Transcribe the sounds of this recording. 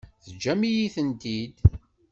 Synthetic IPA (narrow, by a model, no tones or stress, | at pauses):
θəd͡ʒːæmijiθənt̪id̪